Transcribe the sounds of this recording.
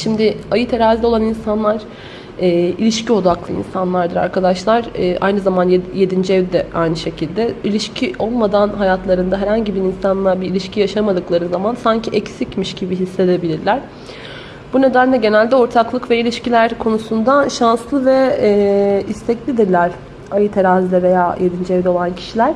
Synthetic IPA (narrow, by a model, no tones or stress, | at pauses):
ʃimd̪ɪajɯt̪ʰe̞ɾazʲio̞lˠaninsanlˠaɾ̥ | ɛːilʲiʃcio̞d̪aklˠɯḭnsanlˠaɾd̪ɯɾa̰ɾkad̪aʃlˠaɾɯːʔa̰jnɯzamanjje̞d̪ind͡ʒiɛvd̪ɛʔajnɯʃe̞cʰilʲd̪ɛilʲiʃcʰiʔo̞lˠmad̪anɦajat̪ʰlˠaɾɯnd̪aɦɛɾhaɲɟibiɾinsanlˠaɾbiilʲiʃcʰijaʃamad̪ɯklˠaɾɯzamansaɲcʰiʔɛcsicmiʃɟibiɦisːe̞d̪e̞bilʲiɾlʲæɾ̥ | bune̞d̪ænlʲɛɟe̞nælʲd̪ɛo̞ɾt̪ʰaklˠɯkvɛilʲiʃcilʲæɾkʰo̞nusund̪aʃanslˠɯvɛː | ist̪ʰɛclʲid̪iɾlʲæɾ | ajɯt̪ʰeɾazd̪ʲɛve̞jaːje̞d̪ind͡ʒɛvd̪ɛo̞lˠancʰi̥ʃilʲæɾ̥